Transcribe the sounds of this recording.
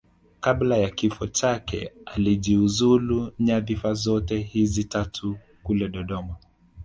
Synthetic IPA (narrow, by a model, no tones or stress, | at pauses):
kaɓlajakifɔt͡ʃakɛ̰aliʄiuzuluɲaðifazɔtɛhizitatʰu | kulɛɗɔɗɔma